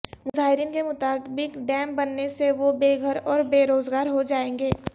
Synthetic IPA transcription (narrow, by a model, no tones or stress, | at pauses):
mʊzaːɦɪɾiːnkemʊt̪aːbɪkɖɛ̃ːmbɐnːeseʋobeːɡʱəɾɔːɾbeːɾoːzɡaːɾɦod͡ʒaːẽːŋɡeː